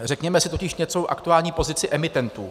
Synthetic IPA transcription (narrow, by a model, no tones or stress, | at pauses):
rɛkɲɛmɛsɪt̪o̞cɪʃɲɛt͡so̞ʔa̰kt̪uaːlɲiːpo̞zɪt͡sɪʔɛmɪt̪ɛnt̪uː